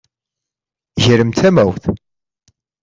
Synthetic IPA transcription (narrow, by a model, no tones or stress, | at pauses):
ʝəɾəmt̪ʰæmæwθ